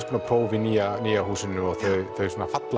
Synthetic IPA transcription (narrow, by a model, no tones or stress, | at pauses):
spʰːnapʰɾoːwvɪniːaniːaɦuːsʏnʏɔɣθœɥðθœɥsɔnafat̪l